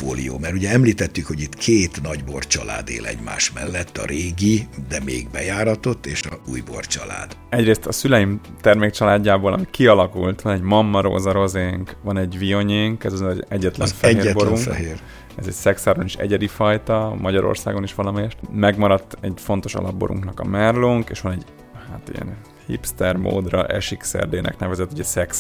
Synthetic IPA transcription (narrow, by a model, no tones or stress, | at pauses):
foːlḭjo̰ːmɛɾuɟɛɛmliːt̪ɛt̪ːykho̞ɟit̪kʰeːt̪nɒɟbo̞rt͡ʃɒla̰ːd̪ḛːlɛ̰ɟma̰ːʃmɛlːɛt̪ːɒ̰ɾeːɡid̪ɛmeːɡbɛjaːɾɒt̪o̞t̪ːeːʃɒuːjbo̰rt͡ʃɒ̰la̰ːd̪ɛɟreːst̪ɒsylɛjim | t̪ɛrmeːk̚t͡ʃɒlaːɟːaːboːlɒ̰mikiɒlɒkult̪ʋɒnɛɟmɒmːɒɾo̰ːzɒɾo̞zeŋkʋɒnɛɟvio̞ɲeːŋkɛzɒzɛɛɟːɛt̪lɛ̰nfɛeːrboɾuŋkfɛɦeːr | ɛzɛcsɛksaːɾoniʃɛ̰ɟɛd̪ifɒjt̪ɒmɒɟɒɾo̰rsa̰ːɡo̞niʃʋɒlɒmɛjɛʃt̪mɛɡmɒɾɒt̪ːɛɟfon̪t̪o̞ʃɒ̰lɒbboɾʔṵŋknɒkɒ̰mɛrloŋkeːʃʋɒnɛɟ | haːt̪ḭjɛ̰n | hḭpst̪ɛrmo̰ːd̪rɒ̰ʔɛ̰ʃiksɛ̰rd̪eːnʔɛ̰knɛvɛzɛt̪ːuɟɛsɛks